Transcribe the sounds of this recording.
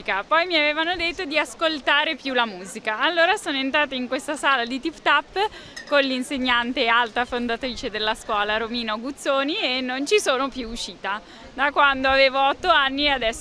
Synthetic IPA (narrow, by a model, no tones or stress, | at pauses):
kapɔjmiaveːvanod̪et̪ːod̪iaskolt̪aːɾepjulamuːzikaːlːoːɾasoːnoent̪ɾaːt̪eiŋkwest̪asaːlad̪it̪ipt̪apːkonlinseɲːant̪ealt̪afond̪at̪ɾiːt͡ʃed̪elːaskwɔːlaɾomiːnoɡut̪sːoːnienːont͡ʃisoːnopjuːʃːiːt̪a | d̪akwand̪oaveːvoɔt̪ːoanːiad̪ɛs